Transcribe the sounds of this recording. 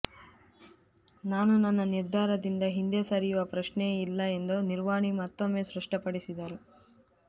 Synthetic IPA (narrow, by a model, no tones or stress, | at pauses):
naːnunɐnːɐniɾd̪ʱaːɾɐd̪ind̪ɐɦind̪esɐɾijuʋɐpɾɐʂneilːɐe̞nd̪uniɾʋaːɳimɐt̪ːomːeːsɾɐʂʈɐpɐɽisid̪ɐɾu